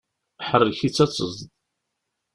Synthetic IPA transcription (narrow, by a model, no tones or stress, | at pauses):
ħərːəçit͡sːæt͡sːəzd̪